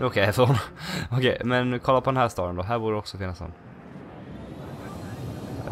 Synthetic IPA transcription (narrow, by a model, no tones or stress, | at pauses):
ɔkʰɛɛfəɔnɔkʰɛ̰jmɛnkʰɔlːapɔd̪ɛnɦæːst̪ɑːɾɛnd̪oɦæːɾbuːɖəɛɔksɔfɪːnːasɔ̰nː